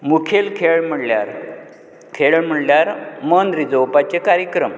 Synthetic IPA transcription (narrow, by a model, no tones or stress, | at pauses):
mukʰelkʰeɭm̤əɽlja̰ɾ | kʰeɭm̤əɽljaɾmənɾid͡zowpat͡ɕekaɾjəkɾəm